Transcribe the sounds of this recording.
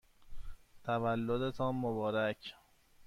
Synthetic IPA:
t̪ʰævælːod̪et̪ʰɒːnmobɒːɾæcʰ

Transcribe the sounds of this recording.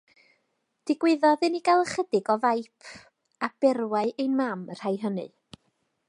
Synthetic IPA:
d̥ɪɡwɪðɔðɨniɡalˠəχədɪɡɔvajpʰ | ab̥ɛrwaɨʔejnmamr̥ajɦənɨ̰

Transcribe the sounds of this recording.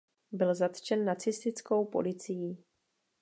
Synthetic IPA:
bɪlzat̪t͡ʃɛnːat͡sɪst̪ɪt͡sko̞wpo̞̰lɪt͡sɪjiː

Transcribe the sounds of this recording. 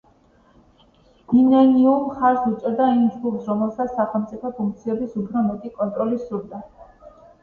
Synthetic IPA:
inɛniumχaɾsut̪sʼɔɾd̪aimd͡ʒɡupsɾɔmɛlˠsat̪ssːaχɛlˠmt̪sʼipʰɔpʰũŋk̚t̪sʰiɛbisupʰɾɔmɛt̪ʼikʼɔnt̪ʼɾɔlisuɾd̪a

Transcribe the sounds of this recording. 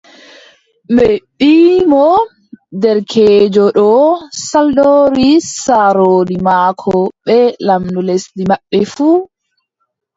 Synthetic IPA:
mɛɓiːmɔ | dɛɾkʰeːd͡ʒɔɗɔsaldoːɾisaɾoːdimaːkʰɔɓɛlamduleslimaɓːɛfu

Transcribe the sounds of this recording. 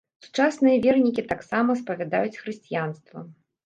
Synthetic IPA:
su̥t͡ʂasnɨjɐvʲɛrnʲikʲit̪aksamɐspɐvʲad̪a̰jut͡sʲxɾɨsʲt͡sʲijanst̪vɐ̰

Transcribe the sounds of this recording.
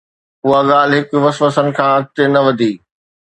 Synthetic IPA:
ʊɦaɠaːlɦɪkʊʋɐsʋəsənɪ̆kʰãːɐk̚t̪enɐʋɐd̪ʱiː

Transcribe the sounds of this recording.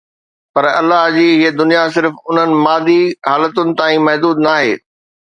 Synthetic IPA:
pɐɾɐ̰lːaɦd͡ʑiːɦiːəd̪ʊnijas̬ɪɾfʊn̤ənɪ̆maːd̪iɦaːlət̪ʊnɪ̆t̪ãːĩmɐɦd̪uːd̪naːɦeː

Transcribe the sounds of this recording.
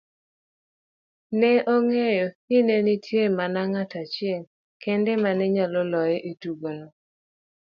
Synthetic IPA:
nɛʔoŋejoinenitʰjemanaŋatat͡ʃɪɛl | kɛndɛmanɛɲalɔlɔjɛʔetuɡonɔ

